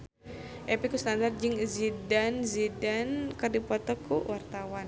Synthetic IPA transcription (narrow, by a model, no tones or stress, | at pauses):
ʔɛpikust̪andar̚d͡ʒɨŋzidanzidankərdipɔt̪ɔkuwart̪awan